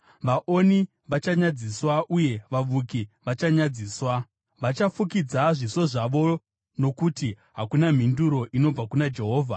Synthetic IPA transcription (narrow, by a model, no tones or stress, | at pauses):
ʋaʔo̞ni | ʋat͡ʃaɲad͡ziswaʔuje̞ʋaʋukiʋat͡ʃaɲad͡ziːswa | ʋat͡ʃafukid͡zaʐiso̞ʐaʋo̞ | no̞kuti | ɦakunam̤induɾo̞ʔino̞b͡vakunad͡ʒe̞ɦo̞ːvʱa̰